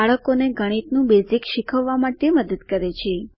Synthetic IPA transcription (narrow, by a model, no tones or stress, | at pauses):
aɭəkoneɡʱəɽ̃it̪nũbezikʃikʰəʋːamaʈeməd̪əd̪kəɾet͡ʃʰe